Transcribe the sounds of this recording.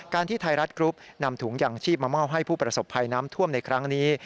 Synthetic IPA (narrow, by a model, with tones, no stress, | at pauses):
kaː˧nt̪ʰiː˥˩t̪ʰa˧jɾa˦˥t̪̚kɾu˦˥p̚na˧mt̪ʰuː˩˦ŋjaː˨˩ŋt͡ɕʰiː˥˩p̚maː˧ma˥˩wɦa˥˩jpʰuː˥˩pɾa˧so˨˩pʰːa˧jnaː˦˥mt̪ʰu˥˩əmna˧jkʰɾa˦˥ŋniː˦˥